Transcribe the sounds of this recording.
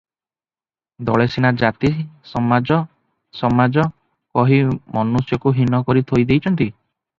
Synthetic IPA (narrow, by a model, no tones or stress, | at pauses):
d̪ɔɭesinad͡ʒat̪isɔmad͡ʒɔ | sɔmad͡ʒɔ | kɔɦimɔnusjɔkuɦinɔkɔɾit̪ʰojd̪ejt͡ʃʰɔnt̪i